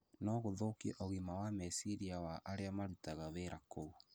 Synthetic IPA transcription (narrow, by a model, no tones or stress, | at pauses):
nɔɣoðokeʔoɣimawamesiɾiawaʔaɾeamaɾutaɣaβeɾʔakou